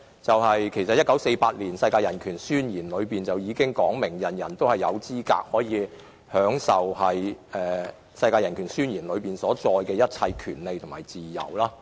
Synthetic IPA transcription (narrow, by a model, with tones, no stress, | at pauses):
t͡sɐ˨whɐ˨jkʰe˨˩jsɐ˨t̚jɐ˥t̚kːɐ˨˥wse˧jpaː˧t̚liː˨˩nsɐ˧jkaː˧jɐ˨˩nkʰyː˨˩nsyː˥njiː˨˩nlɵ˨˧ɥpiː˨nt͡sɐ˨wjiː˨˧kɪ˥ŋkɔː˨˥ŋmɪ˨˩ŋjɐ˨˩njɐ˨˩nt̪o˥whɐ˨jjɐ˨˧wt͡siː˥ka̰ː˧˥k̚hɔː˨˥jiː˨˧ | hœː˨˥ŋsɐ˨whɐ˨jɛː˨˩ | sɐ˧jkaː˧jɐ˨˩nkʰyː˨˩nsyː˥njiː˨˩nlɵ˨˧ɥpiː˨˩nsɔː˨˥t͡sɔː˧jkɛː˧jɐ˥t̚t͡sʰɐ˧jkʰyː˨˩nle˨jt̪ʰʊ˨˩ŋmaː˨˩jt͡siː˨jɐ̰˨˩wlaː˦˥